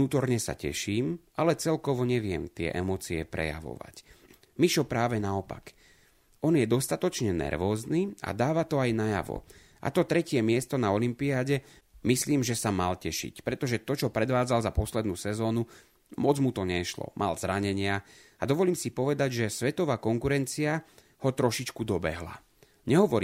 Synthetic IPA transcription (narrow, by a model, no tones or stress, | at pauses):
nuːt̪ɔɾɲɛsa̰cɛ̰ʃiːm | alɛt͡sɛlkɔʋɔɲɛʋɪɛ̰mt̪ɪɛ̰ʔɛmɔːt͡siɛ̰pɾɛ̰ja̰ʋɔ̰ʋa̰c | miʃɔpɾaːʋɛnaɔpa̰k | ɔnjɛd̪ɔst̪at̪ɔt͡ʃɲɛnɛ̰ɾʋɔːzniːa̰d̪aːʋat̪ɔajnaja̰ʋɔ̰ | ʔa̰t̪ɔt̪ɾɛcɪɛmɪɛst̪ɔnaɔlimpiaːɟɛ | misliːmʒɛsamalcɛʃḭcpɾɛt̪ɔʒɛt̪ɔt͡ʃɔpɾɛd̪ʋaːd͡zalzapɔslɛd̪nuːsɛzɔːnu | mɔd͡zmut̪ɔɲɛʃlɔ̰mʔa̰lzɾaɲɛɲɪa | ad̪ɔʋɔliːmsipɔʋɛd̪aɟʒɛsʋɛt̪ɔʋaːkɔŋkuɾɛnt͡sia | hɔt̪ɾɔʃit͡ʃkud̪ɔbɛ̰ɦla̰ | ɲɛɦɔʋɔɾiː